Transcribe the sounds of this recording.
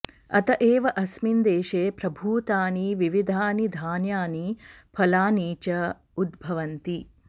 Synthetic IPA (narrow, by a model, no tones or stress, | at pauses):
ɐ̰t̪ɐʔeːʋɐʔɐsmind̪eːʃeːpɾɐbʱuːt̪aːniʋiʋid̪ʱaːnid̪ʱaːnjaːnipʰɐlaːniːt͡ʃɐ | ud̪bʱɐʋɐnt̪i